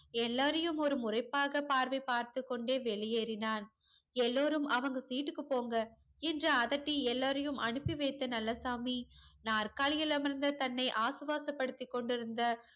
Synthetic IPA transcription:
ɛlːaːɾɐjɯmɔɾɯmʊrɐɪpːaːɣɐpaːɾʋɐɪpːaːɾt̪ɯkːɔɳɖeːʋɛɭɪjeːɾɪnaːn | ɛlːoːɾɯmʔɐʋɐŋɡɐsiːʈːɯkːɯpoːŋɡɐ | ɛndrɐːðɐʈːiɛlːaːɾɐjɯmʔɐɳɯpːiʋɐɪt̪ːɐnɐlːɐsaːminaːrkaːɭɪjɐlɐmɐɾnd̪ɐt̪ɐnːɐɪʔaːsɯʋaːsɐpːɐɽɯt̪ːɪkːɔɳɖɪɾɯnd̪ɐ

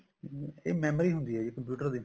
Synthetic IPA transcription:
eːmɛːməɾiːɦʊ̃nd̪iːɦɛːd͡ʒeːkəmpjuːʈəɾd̪iː

